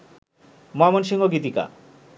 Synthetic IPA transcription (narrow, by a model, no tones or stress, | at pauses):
moɦamonʃiŋoɡit̪ika̰